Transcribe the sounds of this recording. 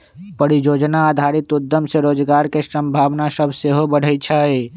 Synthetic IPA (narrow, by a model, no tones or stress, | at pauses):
pəɽid͡ʒod͡ʒnaːd̪ʱaɾit̪ud̪ːəmseɾoːd͡ʒɡaɾkesəmbʱaʋnasəbʱseɦobəɽ̤ət͡ʃʰəe